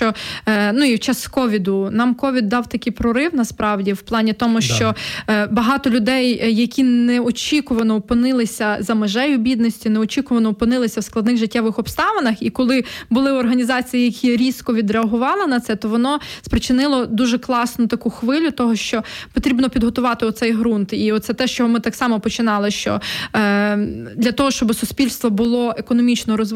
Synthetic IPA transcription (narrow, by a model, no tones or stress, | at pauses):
ɔnuiwt͡ʃɑskɔʋʲid̪ʊnɑmkɔʋʲid̪ːɑwt̪ɐkɪjpɾɔɾɪwnɐspɾɑwdʲiwplˠɑnʲit̪ɔmʊʃt͡ʃɔbɐɦɑt̪ɔlʲʊd̪ɛjːɐkʲinnɛɔt͡ʃʲikʊʋɐnɔɔpɪnɪlˠɪsʲɐzɐmeʒɛjʊbʲid̪nɔsʲtʲinɛɔt͡ʃʲikʊʋɐnɔɔpɪnɪlˠɪsʲɐwsklˠɐd̪nɪɣʒɪtʲːɛʋɪxɔpst̪ɑʋɐnɐxikɔlˠɪbʊlˠɪɔrɦɐnʲizɑt͡sʲijijɐkʲʰiɾʲiskɔʋʲid̪ɾeɐɦʊʋɑlˠɪnɐt̪sɛt̪ɔʋɔnɔspɾɪt͡ʃɪnɪlˠɔd̪uʒɛklˠɑsnʊt̪ɐkuxʋɪlʲʊt̪ɔɦɔʃt͡ʃɔpɔt̪ɾʲibnɔpʲid̪ɦɔt̪ʊʋɑt̪ɪɔt̪sɛjɦɾunt̪iɔt̪sɛt̪ɛʃt͡ʃɔɦɔmɪt̪ɑksɑmɔpɔt͡ʃɪnɑlˠɪʃt͡ʃɔ̰ | d̪lʲɐt̪ɔɦɔʃt͡ʃɔbɪsʊsʲpʲilʲst̪ʋɔbʊlˠɔekɔnɔmʲit͡ʃnɔɾɔz